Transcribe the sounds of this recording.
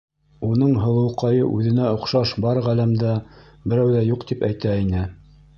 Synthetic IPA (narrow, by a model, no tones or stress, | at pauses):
unɤɴɦɤ̆lˠɤ̆wqɑjɤ̰ʔʉðɘ̆næŏqʃɑʃbɑɾʁælæmd̪æ | bɘ̆ɾæwðæjuqt̪ipæjt̪æinɘ